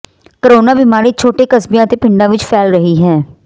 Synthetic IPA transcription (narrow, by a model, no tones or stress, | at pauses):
kəɾoːnaːbɪmaːɾiːt͡ʃʰoːʈeːkəsbjãːt̪eːpɪ̃ɳɖãːʋɪt͡ʃpʰɛːlɾəɦiːɦɛː